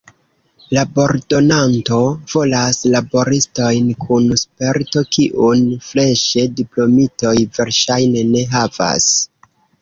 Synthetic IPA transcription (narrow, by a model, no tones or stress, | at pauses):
labo̞ɾdo̞nanto̞v̥o̞laslabo̞ɾisto̞jnkʰunspe̞ɾto̞kiʔunfle̞ʃe̞diplo̞mito̞jve̞ɾʃajne̞ne̞ɦava̰s